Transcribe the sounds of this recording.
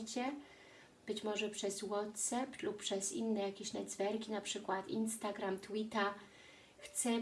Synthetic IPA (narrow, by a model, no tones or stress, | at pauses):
t͡ɕɛ | b̥ɘt͡ɕmɔʐɛpʂɛzwɔt̪sɛplupːʂɛzḭnːɛjakʲeɕnɛd̪zvɛɾkʲinapʂɘkwat̪ḭnst̪aɡɾamt̪wit̪a | xt̪sɛ